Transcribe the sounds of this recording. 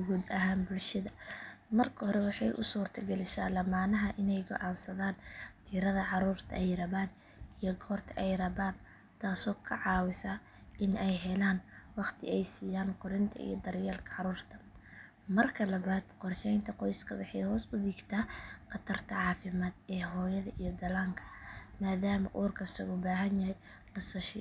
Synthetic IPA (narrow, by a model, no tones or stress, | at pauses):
ɡuːd̪ɐɦaːnbʊlʃɐðɐmɐrkʰɐhɔɾɛwɑħɑjʔʊ̰suːrt̪ʰɐɡɛlɪʃa̰ːlɐmaːnɐɦɐʔɪnɛjɡɔ̰ʕɑːnsɐðaːnt̪ʰiːɾɐðɐʕɑɾuːrt̪ʰɐ̰ɛjrɐβaːn | ijɞɡʰɔːrt̪ʰɐʔɛjrɐβaːn | t̪ʰaːsɔːkʰɐʕɑːwɪsɐ | ʔɪnɛjɦɛlaːnwɑqt̪ʰɪ̰ɛjsiːjaːŋkʰʊɾɪnt̪ʰɐ̰ḭjɔd̪ɐrjaːlkʰɐ̥ʕɑɾuːrt̪ʰɐ̥ | mɐrkʰɐlɐβaːd̪qɔrʃɛjnt̪ʰɐqɔjskʰɐwɑħɑjhɔːsʊd̪iːɡt̪ʰaːqɑt̪ʰɐrt̪ʰɐʕɑːfɪmaːd̪ɛːɦɔːjɐðɐʔijɞd̪ɐlaːŋkʰɐ̥maːðaːmɐ̰ʔuːrkʰɐst̪ʰɔ̰ɣɔbaːɦɐnjɐɦɛj | lɐsɐʃɪ̰